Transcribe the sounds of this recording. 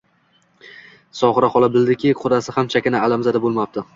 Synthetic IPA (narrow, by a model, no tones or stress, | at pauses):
sɒχɨɾaχɒlˠabɪld̪ɪkʲɪqʰʊd̪asɪhamt͡ʃʰakʲɪnaalamzad̪abolˠmap̚t̪ɪ